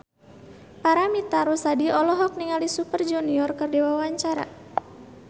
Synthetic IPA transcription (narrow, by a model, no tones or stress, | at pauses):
paɾamit̪aɾɔsadiɔlɔɦɔk̚niŋalisupərd͡ʒuniɔrkərdiwawaɲt͡ʃaɾa̰